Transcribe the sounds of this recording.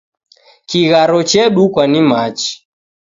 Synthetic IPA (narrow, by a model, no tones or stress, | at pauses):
kiɣaɾɔt͡ʃɛɗukwanimat͡ʃi̥